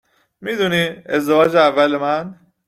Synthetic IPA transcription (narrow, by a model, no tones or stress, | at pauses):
miːd̪uːniːezd̪evɒːd͡ʒeævːælemæn